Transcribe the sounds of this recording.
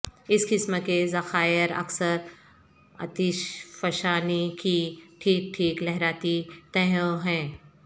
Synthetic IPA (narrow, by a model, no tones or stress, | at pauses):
ɪskɪsmkezɐxaːjɪɾɐ̰ksəɾ | ɐ̰t̪ɪʃfɐʃaːnikiʈʰiːk̚ʈʰiːklɛɦɾaːt̪it̪ɛ̃ɦõɦɛ̃ː